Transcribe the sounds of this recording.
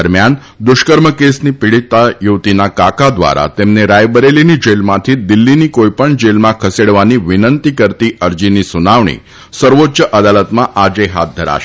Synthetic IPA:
əɾmjan | d̪uɕkəɾməkesniːpiɽit̪ajuʋt̪inakakad̪ʋa̰ɾa̰t̪emneɾajbəɾeliniːd͡ʑelmat̪ʰiːd̪ilːiniːkojpəɳd͡ʑelmãkʰəseɽʋaniːʋinənt̪ikəɾt̪iːʔəɾd͡ʑiniːsunaʋɳḭː | səɾʋotːɕəʔəd̪alət̪maʔad͡zeɦat̪̚d̪ʱəɾa̰ʃ

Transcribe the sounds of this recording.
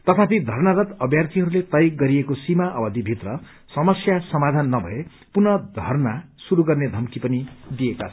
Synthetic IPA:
t̪ʌt̪ʰapid̪ʱʌrnaɾʌt̪ʌbjart̪ʰiɦʌɾulet̪ʌjk̚ɡʌɾiekosimaʔʌbʌd̪ʱibʱit̪rʌ | sʌmʌsjasʌmad̪ʱanːʌbʱʌ̰e | punʌd̪ʱʌrna | suɾuɡʌrned̪ʱʌmkipʌnid̪ieka

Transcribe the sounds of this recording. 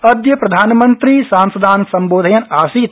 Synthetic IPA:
əd̪jəpɾɐd̪ʱaːnmənt̪ɾisãnsɐd̪ʱaːnsɐmboːd̪ʱɐjɐnasit̪

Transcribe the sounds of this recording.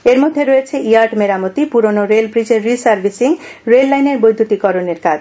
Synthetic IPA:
eɾmod̪ʱːeɾɔet͡ɕʰeʔijaɾʈmeɾamot̪ipuɾonoɾelbɾid͡ʑeɾːisaɾbʱisiŋ | ɾelːajneɾbojd̪ʱut̪ikɔɾoneɾkad͡ʑ

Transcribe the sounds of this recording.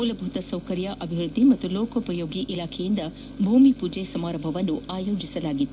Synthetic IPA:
ulɐbʱut̪ɐsɐwkɐɾjɐʔɐbʱiʋɾud̪ʱːimɐt̪ːuloːkʰɐpɐjoːɡiʔilaːkʰɛjind̪ɐ | bʱuːmipuːd͡ʒesɐmaːɾɐmbʱɐʋɐnːuaːjoːd͡ʒisɐlaːɡit̪ː

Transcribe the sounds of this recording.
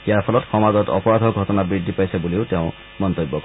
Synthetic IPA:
ijaɹpʰɔlɔtxɔmazɔtɔ̰pɔɹad̪ʱɔɡʱɔtɔnabɹid̪ʱːipajsebuliʊteʊ̃ | mɔnt̪ojbːɔk

